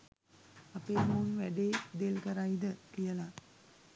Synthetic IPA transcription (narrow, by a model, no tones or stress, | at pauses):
apeːmuːnʋæɖeːd̪elkəɾajd̪əkijəla